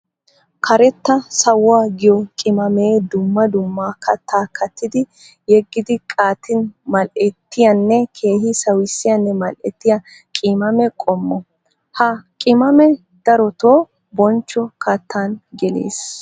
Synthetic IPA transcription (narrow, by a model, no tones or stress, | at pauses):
kʰɐɾɛt̪ːɐsɐwːaːɡɪjɔkʼɪmɐmeːd̪ʊmːɐd̪ʊmːaːkɐt̪ʰːaːkʰɐt̪ːɪd̪ɪ | jɛɡːɪd̪ɪkʼaːt̪ʰɪnmɐlʔɛt̪ːɪjɐnːɛkʰe̞ːhɪsɐwɪsːɪjɐnːɛmɐlʔɛt̪ːɪjɐ | kʼɪmɐmɛkʼɔmːɔ | hɐkʼɪmɐmɛ | d̪̥ɐɾɔt̪oː | bɔnt͡ʃːɔkɐt̪ːaːnɡɛlḛːs